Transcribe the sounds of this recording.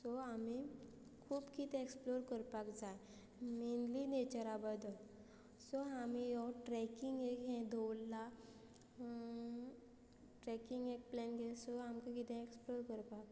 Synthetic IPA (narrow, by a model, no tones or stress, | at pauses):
sɔami | kʰuːbkit̪ɛ̃eksploɾkəɾpakd͡zaj | minlinet͡ɕəɾabəd̪ʱə | sɔamijɔʈɾɛkiŋɡekɦɛ̃d̪ʱɔwlːa | ʈɾɛkiŋɡek̚plɛnɡesɔamkakit̪ɛ̃eksploɾkəɾpak